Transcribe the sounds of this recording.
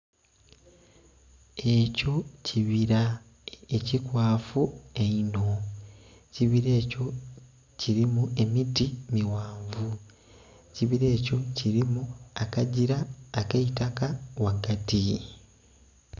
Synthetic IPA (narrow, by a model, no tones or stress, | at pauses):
e̞co̞ciβiɾa | ecikwaːfueino̞ | ciβiɾe̞ːco̞ | ciɾimue̞mitimiwaːɱvu | ciβiɾe̞ːco̞ciɾimuakaɟiɾaːkaitakawakati